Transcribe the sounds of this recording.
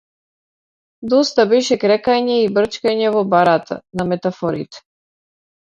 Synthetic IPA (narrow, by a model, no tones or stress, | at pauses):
d̪ɔst̪abɛʃɛkɾɛkaɲɛibr̩t͡ʃkaɲɛvɔbaɾat̪ʰa̰namɛt̪afɔɾḭt̪ɛ̥